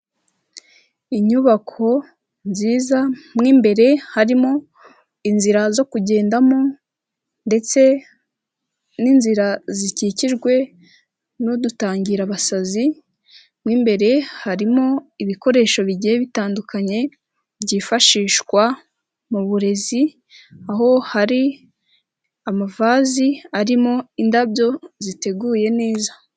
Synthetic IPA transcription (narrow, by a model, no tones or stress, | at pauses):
iɲuβakʰo̞ | nziːzamŋiːmbe̞ɾe̞haɾimo̞ | inziɾazo̞kuɟe̞ːndamo | nde̞t͡se̞ | ninziɾaziciciʒɡwe̞ | nodutaːɲɟiɾaβasazi | mŋiːmbe̞ɾe̞haɾimo̞iβiko̞ɾe̞ːʃo̞βiɟijeβitaːndukaɲe̞ | bɟiːfaʃiːʃwa | muβuɾe̞zi | aɦo̞haɾi | amavaziaɾimo̞indabjo̞zite̞ɡuːje̞ne̞ːzḁ